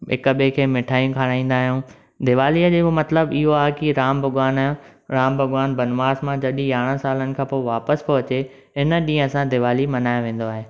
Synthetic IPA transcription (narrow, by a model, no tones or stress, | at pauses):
ɪ̰kəɓekʰeːmɪʈʰaːijũkʰaːɽ̃aːĩːn̆d̪aːɦijũː | d̪ɪʋaːliəd͡ʑeːbmɐt̪ləbɪɦoaːɦɪkiɾaːmbʱɐɡʋaːnɾãːmbʱɐɡʋaːnbɐnʋaːzmãd͡ʑɐɗĩjaːɽ̃ə̃saːlənɪ̆kʰãːpoːʋaːpəspɐɦʊt͡ɕe | ɪnə̆ɗĩːə̃sãd̪ɪʋaːlimɐnaːjõʋẽːn̆d̪oaːɦeː